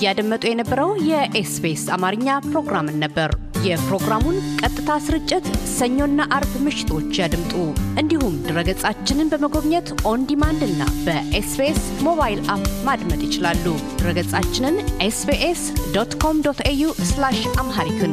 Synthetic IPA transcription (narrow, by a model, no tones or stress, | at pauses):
jad̪əmːət̪ʼujɛnəbːəɾəwjɛʔesbesamaɾɨɲːapɾo̞ɡɾamɨnːəbːəɾ | jɛpɾo̞ɡɾamunkʼət̪ʼːɨt̪ʰasɨɾɨt͡ʃʼːɪt̪səɲːo̞nːaʔaɾbmɨʃɪ̥t̪ʰo̞t͡ʃːjad̪ɨmt̪ʼuʔɨnd̪ihumd̪ɨɾəɡət͡sʼat͡ʃːɪnɨnbəməɡo̞βɲət̪ʔo̞nd̪imand̪ɨnːa̰bəʔesbesmo̞βajlʔapmad̪mət̪jɪt͡ʃɪlalːud̪̥ɨɾəɡət͡sʼat͡ʃːɪnɨnʔesbeʔesd̪ot̪kʰo̞md̪ot̪ejuslaʃamɦaɾik̪ʰɨn